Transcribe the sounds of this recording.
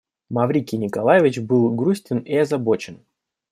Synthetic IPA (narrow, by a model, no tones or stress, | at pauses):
mɐvɾʲikʲɪnʲɪkɐlˠajɪvʲɪt͡ɕbɨlˠɡɾusʲtʲɪniɐzɐbo̞t͡ɕɪn